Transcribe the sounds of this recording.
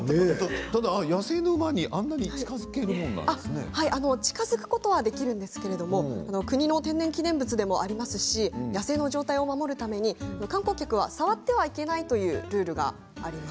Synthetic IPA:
t̪t̪ad̪ajase̞ːnoɯmaɲ̟iʔãnːaɲ̟it͡ɕi̥kazɨke̞ɾɯ̟mõ̞nːã̰naesɨne̞̰haiʔano̞t͡ɕi̥kazɨkɯ̟̥ko̞t̪o̞βad̪e̞kʲiɾɯ̟̃nd̪esɨ̥ke̞ɾe̞d̪o̞mo̞ano̞kɯ̟ɲ̟ino̞t̪ẽ̞nːẽ̞ŋkʲinẽ̞mbɯ̟t͡sɨd̪e̞mo̞ʔaɾʲimasɨɕijase̞ːno̞ʑo̞ːt̪aio̞mamo̞ɾɯ̟t̪ame̞ɲ̟iano̞kãŋko̞kʲakɯ̟βa̰saβat̪ːe̞βaike̞nait̪o̞jɯ̟ːɾɯ̟ːɾɯ̟ɡa̰ː | ɾʲimas

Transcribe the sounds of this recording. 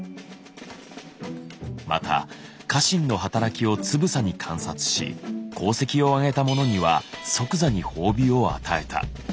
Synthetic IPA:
ma̰t̪ʰa̰ | kaɕĩnːo̞ɦat̪aɾakʲio̞t͡sɨbɯ̟saɲ̟ikʰãɰ̃sat͡sɨ̥ɕḭkʰo̞ːse̞kʲio̞aɡe̞t̪amo̞no̞ɲ̟iβa̰so̞kɯ̟zaɲ̟iho̞ːbʲio̞a̰t̪ae̞t̪ʰa̰

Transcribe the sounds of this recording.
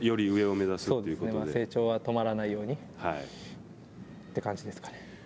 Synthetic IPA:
jo̞ɾʲiɯ̟e̞o̞me̞zasɨsoːd̪eiɯ̟ɨkoneomoad̪ese̞ːt͡ɕo̞ːβat̪o̞maɾanaijo̞ːɲ̟i | hai | t̪ːe̞kãɲd͡ʑid̪e̞sɨ̥kḁne̥

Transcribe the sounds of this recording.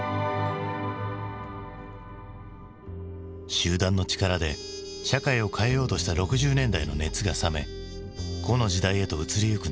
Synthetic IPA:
ɕɨːd̪ãnːo̞t͡ɕi̥kaɾad̪e̞ | ɕakaio̞kʰae̞jo̞ːt̪o̞ɕi̥t̪aɾo̞kɯ̟ʑɨːnẽ̞nd̪aino̞ne̞t͡sɨɡasame̞̰ | ɡ̥o̞no̞ʑid̪aie̞t̪o̞ɯ̟t͡sɨɾʲijɯ̟kɯ̟

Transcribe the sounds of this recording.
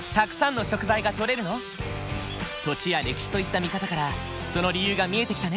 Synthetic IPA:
t̪akɯ̟̥sãnːo̞ɕo̞kɯ̟zaiɡat̪o̞ɾe̞ɾɯ̟no̞ | t̪o̞t͡ɕijaɾe̞kʲi̥ɕi̥t̪o̞it̪ːamʲikat̪akaɾa | so̞no̞ɾʲijɯːɡamʲie̞t̪e̞kʲi̥t̪ane

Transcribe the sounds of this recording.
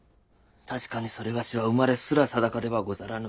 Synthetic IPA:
t̪ʰaɕi̥kaɲ̟iso̞ɾe̞ɡaɕiβaɯmaɾe̞sɨɾasad̪akad̪e̞βaɡo̞zaɾanɯ

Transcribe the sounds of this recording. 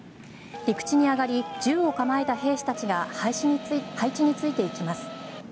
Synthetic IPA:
ɾʲikɯ̟̥t͡ɕiɲ̟iaɡaɾʲid͡ʑɨːo̞kamae̞t̪aɦe̞ːɕi̥t̪at͡ɕiɡa | hait͡ɕiɲ̟it͡sɨit̪e̞ikʲimasɨ̥

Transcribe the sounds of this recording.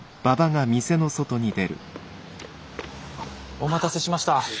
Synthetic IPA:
b̥abaɡamʲise̞no̞so̞t̪o̞ɲ̟id̪e̞ɾɯ̟̰ | o̞mat̪ase̞ɕimaɕi̥t̪a

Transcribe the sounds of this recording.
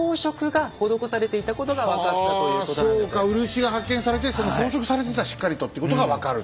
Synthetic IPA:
oːɕo̞kɯ̟ɡaho̞d̪o̞kosaɾe̞t̪e̞it̪ako̞t̪o̞ɡaβakat̪ːaojsoːkkaɯ̟ɾɯ̟ɕiɡahakːẽ̞ɰ̃saɾe̞t̪̬e̞so̞noso̞ːɕo̞kɯ̟̥saɾe̞t̪̬e̞t̪aɕi̥kːaɾʲit̪o̞t̪ːeiɯ̟ko̞t̪oɡaβakaɾɯ̟

